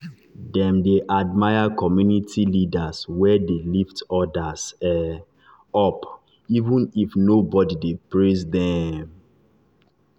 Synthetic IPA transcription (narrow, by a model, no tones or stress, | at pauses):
dɛ̃mdeʔadmajakʰɔmjunitʰilidaswɛdeliftɔdasɛ | ɔp | ivũnifnobɔdidepɹisdɛ̃m